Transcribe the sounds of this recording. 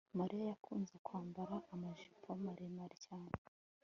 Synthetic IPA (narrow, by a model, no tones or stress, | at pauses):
maɾʔijajakʰuːnze̞kwaːmbaɾaːmaʒipʰomaɾemaɾicaːne